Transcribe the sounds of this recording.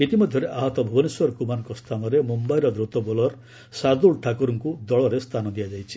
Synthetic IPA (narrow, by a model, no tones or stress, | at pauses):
et̪imɔd̪ʱjɔɾeʔaɦɔt̪ɔbʱɔbɔniswɔɾɔkumanɔŋkɔst̪ʰanɔɾemumbajɾɔd̪ɾut̪ɔbɔlɔɾ | saɾd̪ulʈʰakuɾɔŋkud̪ɔɭɔɾest̪ʰanɔd̪ijad͡ʒajt͡ʃʰi̥